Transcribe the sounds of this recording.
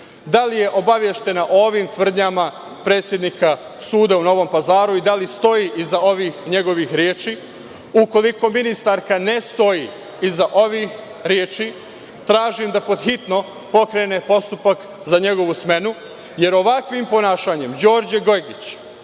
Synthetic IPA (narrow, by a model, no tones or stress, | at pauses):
d̪alije̞ʔo̞baʋjeʃt̪e̞naʔo̞ːʋimt̪ʋr̩d̪ɲama | pɾe̞ːt̪sje̞d̪nika | suːd̪auno̞ʋo̞mpazaːɾuid̪alist̪o̞jiːʔizao̞ʋixɲe̞ɡo̞ʋixɾjeːt͡ʃiː | uko̞liko̞minist̪aɾkane̞st̪o̞ji | izaʔo̞ʋix | ɾjeːt͡ʃi | t̪ɾaːʒimd̪apo̞d̪xit̪no̞ | po̞kɾe̞ne̞po̞st̪upak | zaɲe̞ɡo̞ʋusme̞nu | je̞ɾo̞ʋakʋimpo̞naːʃaːɲe̞md͡ʑo̞ːɾd͡ʑeɡo̞jɡit͡ɕ